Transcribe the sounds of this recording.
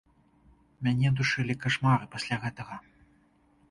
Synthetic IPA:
mʲanʲɛd̪uʂɨlʲikaʂmaɾɨpasʲlʲaɣɛt̪ɐɣɐ

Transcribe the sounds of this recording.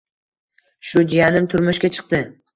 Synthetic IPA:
ʃʊd͡ʒijanɪmt̪ʰʊɾmʊʃkʲat͡ʃʰɨ̥q̚t̪ɪ

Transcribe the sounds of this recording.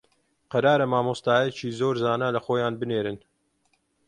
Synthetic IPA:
qɐɾaːɾɐmaːmoːst̪aːjɛt͡ʃiːzoːɾzaːnalɐxoːjaːnbɨneːɾɨn

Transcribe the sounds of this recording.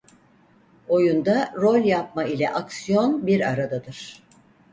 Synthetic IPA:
o̞jund̪aɾo̞lʲjap̚mailʲɛʔaksijo̞nbiɾaɾad̪ad̪ɯɾ̥

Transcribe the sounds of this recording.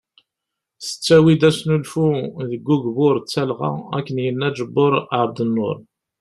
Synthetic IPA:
θə̥t͡sːæwid̪æsnulfuðəɡːuɡvʊɾt͡sːælʁɑ̰æ̰kːənjənːæd͡ʒəbːʊɾˤʕəɾˤd̪ənːʊ̰ɾˤ

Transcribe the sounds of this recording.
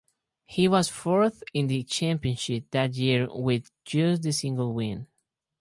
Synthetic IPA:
hiwʌzfɔɹθɪ̃nðɨt͡ʃʰæ̃mpiɨ̃nʃɪp̚ðæt̬̚jiɹwɪð | d͡ʒusðɨsɪ̃ŋɡəl̩ˠwɪ̃n

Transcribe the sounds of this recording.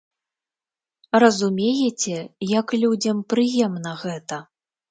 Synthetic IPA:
rɐzumʲejɛt͡sʲɛjɐklʲud͡zʲɐmpɾɨjɛmnɐɣɛt̪ɐ

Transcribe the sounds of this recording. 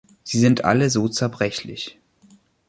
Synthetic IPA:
z̥iːzɪntʔa̰ləzoːt͡sɛɐbʁɛçlɪ̰ç

